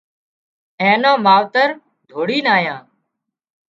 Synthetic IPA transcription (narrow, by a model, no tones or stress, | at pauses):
ẽːnõːmaːʋt̪əɾ | d̪ʱoːɽiːnaːjãː